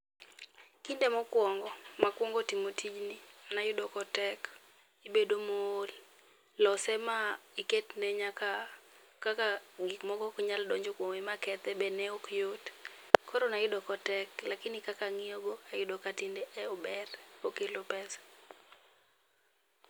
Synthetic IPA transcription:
kindemɔkwɔŋɡɔmakwɔŋɡɔtimotʰid͡ʒnɪanajʊdɔkɔtɛk | ibedomool | lɔsɛmaiketnɛɲaka | kakaɡɪkmɔɡɔkɲaldɔɲd͡ʒokwoŋemakɛt̪ɛbɛnɛokjotkɔɾɔnajʊdɔkɔtɛklakɪnɪkakaŋɪoɡoajʊdɔkatindeʔɛɔbɛrokelopɛsḁ

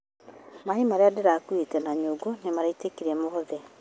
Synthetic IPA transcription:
mahimaɾeadeɾakuetɛnaɲoːɡonemaɾaitekiɾɛmoðɛ

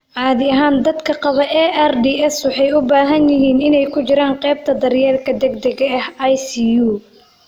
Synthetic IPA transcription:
ʕɑːðɪɐɦaːnd̪ɐd̪kʰɐqɑβɐʔɛʔɛrd̪iːɛswɔħɑjʊbaːɦɐnjɪɦiːnɪnɛjkʰʊt͡ʃɪɾaːɴqɛːb̚t̪ʰɐd̪ɐrjɛːlkʰɐd̪ɛɡd̪ɐɡɐɐhɐjsiːjuː

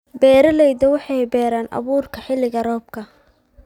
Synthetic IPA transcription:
bɛːɾɐlɛjd̪ɐwɑħɑjbɛːɾaːnʔɐ̰βuːrkʰɐħɪlɪɣɐɾɔːb̚kʰɐ

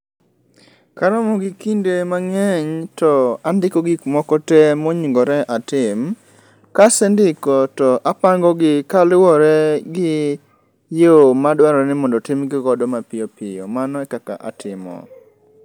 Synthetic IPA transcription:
kaɾɔmɔɡɪkindemaŋɛɲtɔandɪkɔɡikmɔkɔtɛmɔɲiŋɡɔɾɛʔatɪm | kasɛndɪkɔtɔʔapaŋɡɔɡɪkalwɔɾɛɡɪ | jomadwaɾɔɾɛnɪmɔndɔtɪmɡɪɡɔdɔmapɪjopɪjɔ̰manɔɛkaka̰ʔa̰tɪmɔ̰

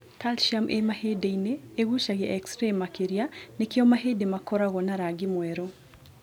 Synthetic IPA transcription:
talʃamʔemahedeineːɣuʃaɣɪʔaɛkstɾemːakeɾijanekɪɔmaɦedemakɔɾaɣɔnaɾaɡɪmwɛɾo

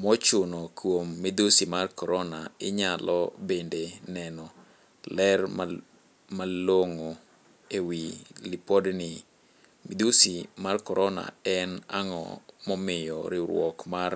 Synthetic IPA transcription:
mɔt͡ʃʊnɔkʰwomːid̪usimarkɔɾɔnaɪɲalʔɔbendenɛnɔ | lɛrma | maloŋo | ewilipodnɪ | mid̪usimarkɔɾʔɔna̰ɛnaŋɔ̰mɔmɪjɔ̰ɾɪɾw̰ɔkmar

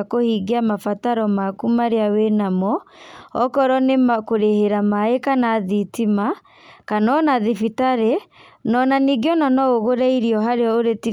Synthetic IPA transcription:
kohiːɡeamafataɾɔmakumaɾeawenamɔɔkɔɾɔnemakoɾeheɾamaekanaðitima | kanɔnaðifitaɾenɔnaniɡiɔnanɔoɣoɾɛiɾiɔɦaɾeɔoɾeti

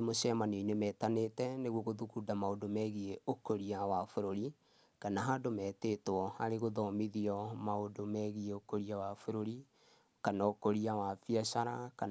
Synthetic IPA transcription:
moʃɛmaneinemɛːtanetɛneɣwɔɣoðukudamaodomɛɣieokoɾiawafoɾoɾi | kanaɦadomɛːtetwɔa̰ɾeɣoðɔmiðiɔmaodomɛɣieokoɾiawafoɾoɾi | kanaokoɾiawafiaʃaɾaka

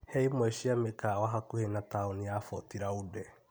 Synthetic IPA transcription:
hɛimwɛʃiamekawaɦakuhenataoniafɔtiɾaudɛ

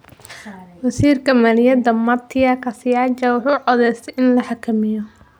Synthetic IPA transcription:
wɐsiːrkʰɐmɐlɪjɐd̪ɐmɐt̪ʰɪɐkʰɐsɪjad͡ʒɐwʊħuːʕɔðɛjst̪ʰɛjʔɪnlɐħɑkʰɐmɪjɔ

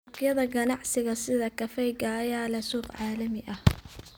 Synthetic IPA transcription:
kjɐðɐɡɐnɑʕsɪɣɐsɪðɐkʰɐfɛjɡɐːjaːlɛsuːbʕɑːlɐmɪʔɐh

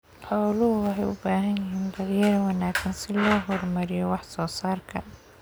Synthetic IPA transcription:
ħɔːlʊɦʊwɑħɛjʊ̰baːɦɐnjɪɦiːnd̪ɐðjɐɾɐwɑnaːksɐnsɪlɔːɦɔrmɐɾɪjɔwɑħsɔːsaːrkʰɐ

